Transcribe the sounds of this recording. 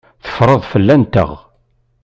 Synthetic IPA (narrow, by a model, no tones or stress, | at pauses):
θə̥fɾˤəðˤfəlːænt̪ə̰ʁ